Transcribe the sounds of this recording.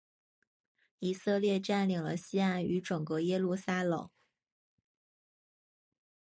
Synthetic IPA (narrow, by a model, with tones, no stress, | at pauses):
i˨˩sɤ˥˧ljɛ˥˧ʈ͡ʂa˥˩nli˨˩ŋlə̰˧˦ɕi˥a˥ny˧˥ʈ͡ʂʊ˨˩ŋkɤ˧˥jɛ˥lu˥˩sa˥lɤ̰˨˩˦ŋ